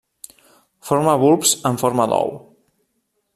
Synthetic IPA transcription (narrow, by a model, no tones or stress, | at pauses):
foɾmaβulˠpsəɱfoɾməðɔ̰w